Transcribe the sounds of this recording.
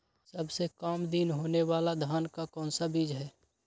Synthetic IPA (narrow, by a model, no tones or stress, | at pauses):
sɐbsekaːmd̪inɦoːnewaːlad̪ʱaːnkakɔ̃ːnsabiːd͡ʒɦɛː